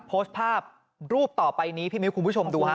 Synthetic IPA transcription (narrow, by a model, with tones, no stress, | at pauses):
pʰoː˦˥st̪̚pʰaː˥˩p̚ | ɾuː˥˩p̚t̪ɔː˨˩pa˧jniː˦˥pʰiː˥˩mi˦˥kʰu˧mpʰu˥˩t͡ɕʰo˧mduː˧ha˥